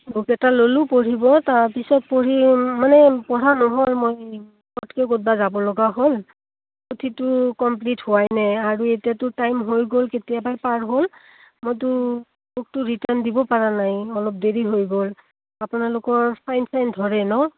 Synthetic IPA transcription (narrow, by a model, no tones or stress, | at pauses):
mukɛtalolʊpoɹibɔtaɹpisɔt̚poɹimanɛpɔɹanɔɦolmoj | kɔtkɛɡot̚bazabɔlɔɡaɦol | potʰitʊkɔmplithʊwajnɛaɹuetijatʊtajmɦojɡolketijabajpaɹɦol | mojt̬ʊ | buk̚tʊɹitaɹndibɔpaɹanajɔlɔp̚deɹiɦojɡol | apʊnalʊkɔɹpʰajnsʰajndʱɔɹɛnɔ